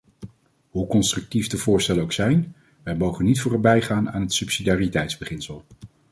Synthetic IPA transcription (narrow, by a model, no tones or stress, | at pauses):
ɦukɔnstrɵk̚tivdəvʊːɹstɛlənowksɛjn | ʋɛjmowχənːitfʊːrœbɛjχaːna̰ːnɦətsypsidaːritɛjtzbəχɪnsəlˠ